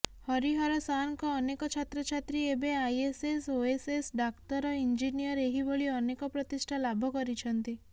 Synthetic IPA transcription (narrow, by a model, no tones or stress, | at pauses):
hɔɾiɦɔɾɔsankɔːnekɔt͡ʃʰat̪ɾɔt͡ʃʰat̪ɾiebeajesesoesesɖakʈ̪ɔɾɔind͡ʒinijɔɾeɦiboɭiɔnekɔpɾɔt̪isʈʰalabʱɔkɔɾit͡ʃʰɔnt̪i